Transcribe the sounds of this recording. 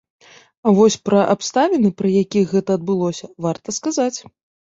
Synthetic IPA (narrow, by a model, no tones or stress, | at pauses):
avɔsʲpɾɐʔapst̪avʲinɨpɾɐjakʲixɣɛt̪ɐːd̪̚bɨlˠɔsʲɐvart̪ɐskazat͡sʲ